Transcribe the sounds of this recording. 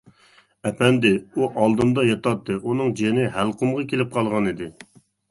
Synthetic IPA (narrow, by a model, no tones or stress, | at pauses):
ɛpʰɛnd̪ɪuʔɑlˠd̪ɨnd̪ɑjɑt̪ɑt̪ʰːɨʔunɨŋd͡ʒenɪɦælˠqʰʊmʁɑkʲʰelɪp̚qʰɑlˠʁɑnid̪ɪ